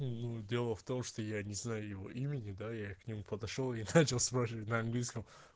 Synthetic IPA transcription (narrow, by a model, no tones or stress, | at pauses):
nudʲe̞lˠəft̪o̞mʂt̪o̞janʲɪznajʊjɪvo̰ʔimʲɪnʲɪd̪ajaknʲɪmupəd̪ɐʂolˠɪnat͡ɕɪlˠspɾaʃɪvtʲnɐɐnɡlʲijskəm